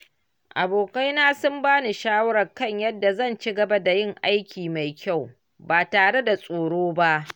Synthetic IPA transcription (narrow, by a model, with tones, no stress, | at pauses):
ʔa̰˨boː˨ka˦jnaː˦sʊ˦mbaː˦ni˨ʃaː˦wɐ˦ɽɐ˨kɐ˦ɲjɐ˦dːa˨zɐ˦˨nt͡ʃi˦ɡɐ˨ba˦da˨jɪ˦˨ŋʔa˦jkʲiː˨ma˨jkʲa˦˨w | baː˨taː˨ɽe˦da˨sʼoː˨ɽoː˦ba˦ʔ